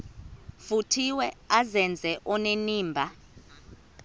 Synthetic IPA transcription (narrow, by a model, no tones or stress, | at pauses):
futʰiwɛazɛnd͡zʱɛʔɔneniːmbʱa